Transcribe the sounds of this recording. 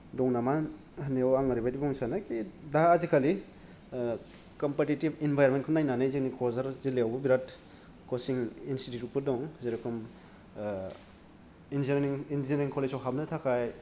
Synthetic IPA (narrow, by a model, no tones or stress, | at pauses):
dɔŋnama | haneawaŋaɾibadibɔŋsanakʰidaːzikʰali | kɔmpetitibinbʱajɾmentkʰɔnajnanɯjziknikʰɔzaɾzileawbubiɾat | kɔsiŋinsitutupɯdɔŋzeɾakʰum | inziiŋinziɾiŋkʰɔlezɔwɦabnɯtʰakʰaj